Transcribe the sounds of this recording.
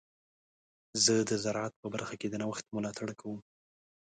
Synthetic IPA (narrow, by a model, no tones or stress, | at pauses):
zəd̪əzaɾʕat̪̚pəbaɾxaked̪ənawaxt̪̚mʊlɑt̪ʰaɽkʰawəm